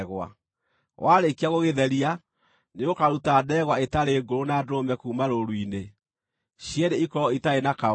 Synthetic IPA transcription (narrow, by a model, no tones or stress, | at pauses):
ɣwa̰ | wʔaːɾekiaɣoɣeðɛɾia | neokaɾutaːdɛɣwaetaɾeːɡoɾonadomɛkuːmaɾoɾwine | ɕjɛɾeikɔɔitaenaka